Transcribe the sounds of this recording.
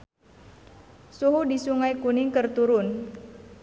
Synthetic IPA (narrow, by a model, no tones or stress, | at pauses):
suɦudisuŋajkunɪŋkərt̪uɾʊn